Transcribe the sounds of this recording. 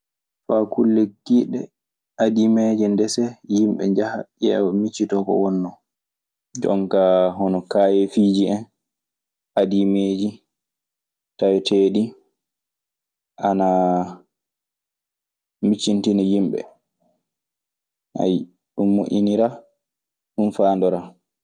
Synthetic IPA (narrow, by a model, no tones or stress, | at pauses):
fakulːekːiɗɛ̰ | ʔadimed͡ʒɛndɛsɛjimɓɛ̰ɲd͡ʒaha̰ʔɛwɔmit͡ʃːitɔkɔ̰wɔnːɔ | d͡ʒɔ̰ŋkaɦɔnɔkaːjefid͡ʒiɛn | adimed͡ʒi | tajɛtʰeːɗi | ʔana | mit͡ʃːintinijimɓɛ̰ | ha̰j | ɗumːuʔiniɾa | ɗunfaːndɔɾa